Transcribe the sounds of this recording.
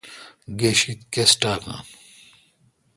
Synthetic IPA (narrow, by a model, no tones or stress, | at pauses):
ɡeɕit̪kesʈaːka̰ːn